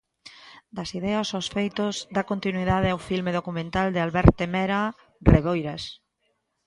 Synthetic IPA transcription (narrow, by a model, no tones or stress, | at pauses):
d̪ɐsiðɛasosfejt̪ozðakont̪inwiðaðeawfilmeðokumẽnt̪ald̪ɪalβɛɾt̪emɛɾa | reβojɾas